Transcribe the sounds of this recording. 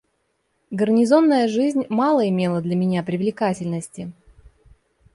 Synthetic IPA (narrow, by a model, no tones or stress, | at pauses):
ɡərnʲɪzo̞nːəjəʐɨzʲnʲmɑlˠəɪmʲelˠəd̪lʲəmʲɪnʲapɾʲɪvlʲɪkatʲɪlʲnəsʲtʲɪ